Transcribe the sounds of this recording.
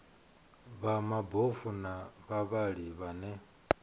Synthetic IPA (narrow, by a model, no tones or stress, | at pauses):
βamabofunaβaβaɺiβanɛ